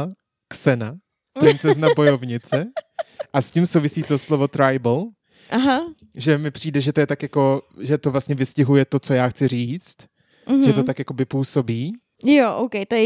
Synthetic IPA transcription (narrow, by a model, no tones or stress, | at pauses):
ksɛna | t̪ɾɛnt͡sɛznabo̞jo̞vɲɪt͡sɛʔascimsowvɪsiːt̪o̞slovo̞t̪ɾajbl | ʔaɦa | ʒɛmɪpr̝̥iːdɛʒɛt̪o̞jɛt̪akjako̞ʒɛt̪ovlast̪ɲɛvɪscɪɦujɛt̪o̞t͡so̞jaːxt͡sɪriːt͡st̪̩ | ʒɛt̪o̞t̪akjakovɪpuːso̞biː | joʔowkɛjt̪ojɛ